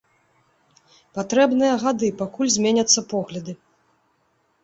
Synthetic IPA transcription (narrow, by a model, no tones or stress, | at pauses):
pat̪ɾɛbnɨjɐɣad̪ɨpakulʲzʲmʲenʲɐt̪sːɐpɔɣlʲɐd̪ɨ